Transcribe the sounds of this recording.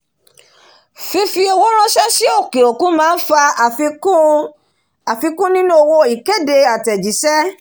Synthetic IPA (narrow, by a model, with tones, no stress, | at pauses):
fi˧fi˧o˧wo˦ɾ̃ɔ̃˦ʃɛ˦si˦o˦˨ke˨o˨kũ˨˦mãː˦n̩˦fa˧˨f | a˨fi˧kũ˦nĩ˦nũ˦o˦˧wo˧i˨ke˦de˧a˨tɛ˨d͡ʒi˨˦sɛ˦